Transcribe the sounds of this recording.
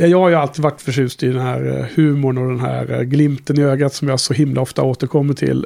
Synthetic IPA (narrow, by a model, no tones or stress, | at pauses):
jɑjɑːɡhaɾjalt̪iːd̪vaʈːfœʂʉ̟ːst̪ɪd̪ɛnɦæːɾhʉ̟ːmʊɳɔd̪ɛnɦæ̰ːɾɡlɪmt̪ənɪøːɡat̪sɔmjɑːhaʂɔɦɪmlʔaɔft̪a̰oːt̪əɾkʰɔmːɪtt̪ʰɪ̰l